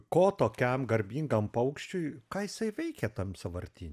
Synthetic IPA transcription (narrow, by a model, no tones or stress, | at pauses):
koːt̪oːkʲɛmɡɐɾʲbʲiːŋɡɐmpɐʊkʃʲt͡ʃʲʊɪkɑːjɪsɐɪʋʲɛɪkʲɛt̪ɐmsɐʋɐɾʲt̪ʲinʲ